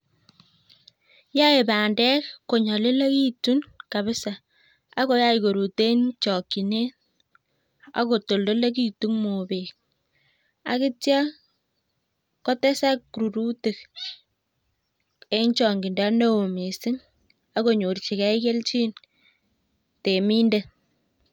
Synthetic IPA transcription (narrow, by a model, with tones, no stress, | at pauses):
ja˦e˨baː˨ndɛ˦kːo˨ɲɔ˨lɪ˦le˦ki˦tu˦nka˨βɪ˦sa˨ | a˦ko˦ja˦i˨ko˨ɾu˨te˦nt͡ʃɔ˨kːi˨ne˦ | a̰˦ko˨to˨ldo˦le˦k̬i˦˨tu˦ŋmo˨be˨k | a̰˨kɪ˦tja˦ | kɔ˦tɛ˦sa˦kːɾu˨ɾu˦te˨k̚ | e˦nt͡ʃɔ˨ŋɡi˨nda˦ne˦o˨mi˨sɪ˦ŋ | a˦ko˦ɲo˨rt͡ʃi˨kɛ˦i˦ke˦lt͡ʃi˦n | te˨mi˦nde˦